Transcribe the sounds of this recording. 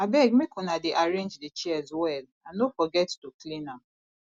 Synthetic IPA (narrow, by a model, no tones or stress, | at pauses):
abɛɡ̚mekʰɔ̃nadeʔaɹẽnd͡ʒdet͡ʃɛɛzwɛl | ãnofɔɡɛttuklĩnãm